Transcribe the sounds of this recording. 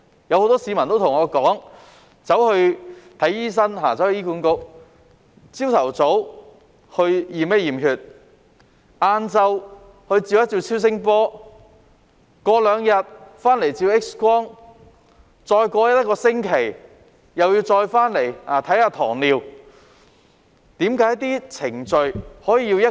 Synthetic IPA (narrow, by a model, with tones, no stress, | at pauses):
jɐ˨˧who˨˧wt̪ɔː˥siː˨˧mɐ˨˩nt̪o˥wt̪ʰʊ˨˩ŋɔː˨˧kɔː˨˥ŋ | t͡sɐ˨˥whɵ˧ɥt̪ʰɐ˨˥jiː˥s̬ɐ˥nɦaː˨˩t͡sɐ˨˥whjiː˥kuː˨˥nkʊ˨˥k̚ | t͡siː˥wt̪ʰɐ˨˩wt͡so˨˥w | hɵ˧ɥjiː˨˩mɛː˥jiː˨˩mɦyː˨t̚ | ʔaː˧nt͡sɐ˧w | hɵ˧ɥt͡siː˧wjɐ˥t̚t͡siː˧wt͡sʰiː˥wsɪ˥ŋpɔː˥ | kɔː˧lœː˨˧ŋjɐ˨t̚faː˥nle˨˩jt͡siː˧wɪ˥k̚skwɔː˥ŋ | t͡sɔː˧jkʷɔː˧jɐ˥jɐ˥t̚kɔː˧sɪ˥ŋkʰe˨˩j | jɐ˨wjiː˧wt͡sɔː˧jfaː˥nle˨˩jaː˨˩t̪ʰɐ˨˥jhaː˧t̪ʰɔː˨˩ŋliː˨˧w | t̪iː˨˥mkaː˨˥jt̪̬iː˥t͡sʰɪ˨˩ŋt͡ʃɵ˨˧ɥhɔː˨˥jiː˨˧ji˧wjɐ˥